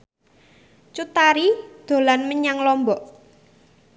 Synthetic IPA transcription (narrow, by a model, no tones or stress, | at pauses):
t͡ʃut̪aɾid̪̥o̤lanməɲaŋlɔmbɔʔ